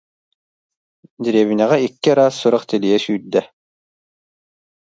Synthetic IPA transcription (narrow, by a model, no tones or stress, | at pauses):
d̪iɾɛːβinɛʁɛikːiɾaːsːuɾaχt̪ɛlijɛsyːd̪ɛ